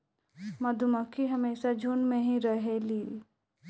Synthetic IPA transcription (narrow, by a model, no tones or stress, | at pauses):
mɐd̪ʱuməkʰːiɦɐmeːʃad͡ʒʱuːnmẽɦĩɾɐɦeliː